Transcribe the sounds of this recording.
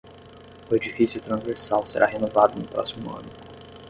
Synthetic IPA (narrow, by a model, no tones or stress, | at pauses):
ʊed͡ʒifisiuwt̪ɾɐ̃zveɾsawseɾʔaɦenovad̪ʊnʊpɾɔsimʊɐ̰̃nʊ